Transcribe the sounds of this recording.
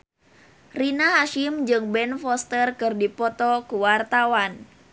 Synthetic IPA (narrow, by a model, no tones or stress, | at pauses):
rinaɦaʃimd͡ʒɨŋbɛnfɔst̪ərkɨrdipɔt̪ɔkuwart̪awan